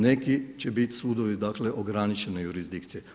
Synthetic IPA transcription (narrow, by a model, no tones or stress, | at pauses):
nekit͡ɕebit̪suːd̪oʋid̪akleʔoɡɾanit͡ʃenejuɾizd̪ikt̪sije